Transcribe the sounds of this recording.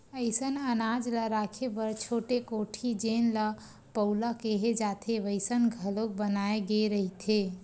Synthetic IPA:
əɪsənənad͡ʒləɾakʰebəɾt͡ʃʰoʈekoʈʰid͡ʒenlə | pəʊlakeɦed͡ʒat̪ʰeʋəɪsənɡʱəlok̚bənaeɡeɾəɦit̪ʰe

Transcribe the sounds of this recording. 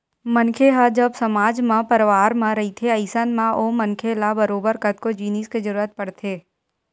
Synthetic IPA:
mənkʰeɦad͡ʒəbsəmaːd͡ʒmãpəɾʋaːɾmãɾəit̪ʰeəɪsənmãʔoːmənkʰelabəɾoːbəɾkət̪̚kod͡ʒiːnisked͡ʒəɾuːɾət̪̚pəɽt̪ʰeː

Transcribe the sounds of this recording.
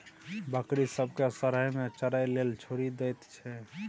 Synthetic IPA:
bəkɾisəbʱkesəɾəɦmet͡ʃəɾajlelt͡ʃʰoɾid̪ɛjt̪t͡ʃʰɛ

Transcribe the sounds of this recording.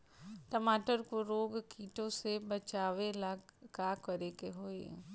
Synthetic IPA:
ʈɐmaːʈəɾkoɾoːɡkiːʈõsebɐt͡ʃaːʋelaɡkakɐɾekeɦoːḛ

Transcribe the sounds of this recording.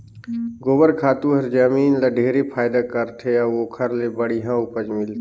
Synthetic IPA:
ɡoːbəɾkʰaːt̪ũɦɐɾd͡ʒaːmiːnlaɖʱeːɾepʰaːɪd̪akəɾt̪ʰeaoːkʰəɾlebəɽiɦãʊpəd͡ʒmɪlt̪ː

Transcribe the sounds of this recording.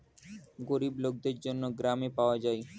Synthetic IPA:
ɡoɾiblok̚d̪eɾd͡ʑonːoɡɾamepaoad͡ʑaj

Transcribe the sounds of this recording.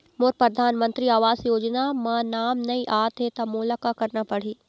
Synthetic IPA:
moːɾpɾɐd̪ʱaːnmə̃nt̪ɾiaːʋaːzjoːd͡ʒnamãːnaːmnɐĩʔaːt̪ɦet̪amulakakɐɾnapɐɽ̤iː

